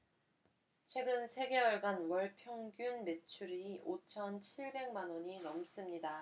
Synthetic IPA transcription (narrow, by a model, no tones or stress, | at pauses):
t͡ɕʰwe̞ɡɯnsʰe̞ɡe̞wʌɭɡanwʌɭpʰjʌŋɡjunme̞t͡ɕʰuɾiot͡ɕʰʌnt͡ɕʰiɭbe̞ŋmanwʌɲinʌms͈ɯmɲida